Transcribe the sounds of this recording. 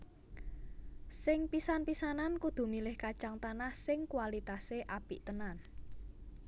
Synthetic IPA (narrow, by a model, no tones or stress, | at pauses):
sɪŋpisanpisanankud̪̥ṳmilɪhkat͡ʃaŋt̪anahsɪŋkwalit̪aseʔapiʔt̪ənan